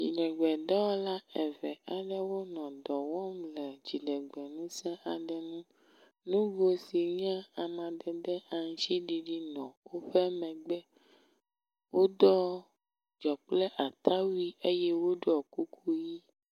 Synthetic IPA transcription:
d͡ʒi˨ɖɛ˨ɡ͡bɛ˨ɖɛ˦wɔ˦la˦ɛ˨vɛ˨a˨ɖɛ˦wo˦nɔ̃˨d̪ɔ˨wɔ˦mlɛ˨d͡ʒi˨ɖɛ˨ɡ͡bɛ˨nũ˦sɛ̃˦a˨ɖɛ˨nũ˦ | nũ˦vo˦si˨ɲ˦ã˦a˨mã˨dɛ˨ɖɛ˦a˨ŋ˨˦t͡ʃi˦ɖi˨ɖi˦nɔ̃˨wo˦ɸɛ˦mɛ̃˨ɡ͡bɛ˦ | wo˦d̪ɔ˦ | d͡ʒɔ˨k͡plɛ˦ʔa˨t̪ʰa˦wi˦e˦jɛ˦wo˦ɖo˦ɔ˨ku˦kʰu˦ji˦

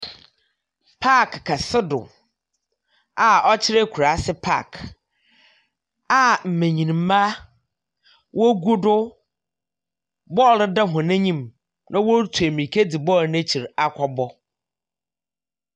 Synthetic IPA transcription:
pʰa˦˨kːʰa˨sɪ˦dʊ̰˨ | a˨ɔ˦t͡ɕʰɪ˦ɾɪ˦kʰu˨ɾa˨˦sɪ˦pʰa̰˦˨k | a˨m̩˨mẽ˨ɲĩ˨ñ˨m̩˦ma˦ | wʔɔ˦ɡu˦dʊ˦ | bɔ˦˨lda˦ɦʊ̃˨nɛ̃˦ɲĩ˦m | nʔã˦wɔ˦tʰu˨e˨mĩ˨kʰe˦di˨bɔ˦lnẽ˦t͡ɕʰi˨ɾa˨kʷʰɔ˦bɔ˦

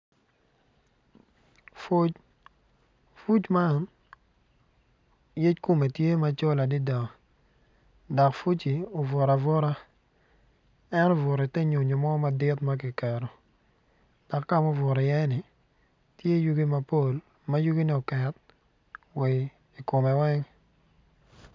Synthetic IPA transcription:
ft͡ʃ | fu˦t͡ʃma˦˨n | je˦t͡ʃko˦me˨tje˦ma˨˦t͡ʃo˦la˨dɪ˦dɔ˨ | dɔ˨kfu˦t͡ʃi˨o˨vʊ˨ɾa˨vʊ˦ɾa˦ | ɛ˦nɔ˦vʊ˨ɾɛ˨tɛ˦ɲo˨ɲo˨mɔ˦ma˨dɪ˦tma˦k̬ɪ˨kɛ˨ɾo˨ | d̥ɔ˨kːa˦˨mo˦vʊ˨ɾɔ˨jɛ˦nɪ˨ | tje˦ju˦ɡi˦ma˨po˦˨l | ma˦ju˦ɡi˦ni˦o˨kɛ˨t̚ | we˨ | i˨ko˨mɛ˨wɛ˦ŋ

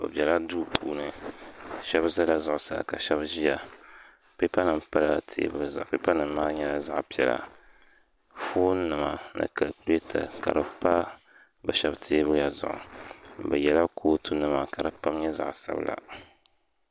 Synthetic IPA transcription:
bɨ̰˨bʲɛ˨la˦duː˦pʰuː˦nɨ˨ | ʃɛ˦bza˦la˦zʊ˨ʔʊ˨sa˨ka˨ʃɛ˦bʒi˦ja˨ | pe˦pa˦nɨ˨mpa˦la˨tʰḛː˦bɨ˦lza˨ʔpe˦pa˦nɨ˨mː˦aː˦ɲɛ˦la˦za˦ʔpi˨ɛ˨la̰˨ | foː˦nɨ˨ma˨nɨ̰˨ka˨lku˨˦le˦tʰa̰˨ka̰˨ɾɨ˨pa˦ | bɨ˨ʃɛ˦btʰeː˦bɨ˦ɾɨ˦ja˨zʊ̰˨ʔʊ̰˨bɨ˨jɛ˨la˦kʰoː˦tu˦nɨ˨ma˨ka˨ɾɨ˨pa˦mɲɛ˦za̰˦ʔsa̰˦bla̰˨

